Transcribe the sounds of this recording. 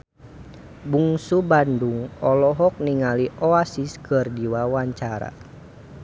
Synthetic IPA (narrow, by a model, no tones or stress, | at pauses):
buŋsubanduŋɔlɔɦɔk̚niŋaliʔɔasiskɨrdiwawaɲt͡ʃaɾa̰